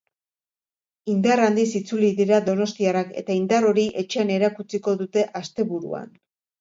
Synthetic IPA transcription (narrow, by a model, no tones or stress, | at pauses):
ind̪arand̪isit͡suliðiɾaðo̞no̞st̪iarake̞̰t̪aind̪aro̞ɾiʔe̞t͡ʃe̞ane̞ɾakut͡siko̞ðut̪e̞ʔast̪e̞βuɾṵa̰n